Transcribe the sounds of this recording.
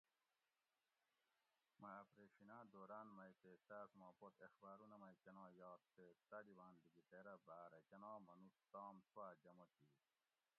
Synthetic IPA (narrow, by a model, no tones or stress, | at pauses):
maːpɾeʂinaːd̪oɾanmɐjt̪et̪asmaːpot̪exbaːɾunɐmɐjkenɑːjɑːt̪pet̪ɐd̪iwaːnd̪iɡit̪eɾɐbaːɾɐkenɑːmɐnust̪ɑːmt͡swaːd͡ʑɐmot̪iː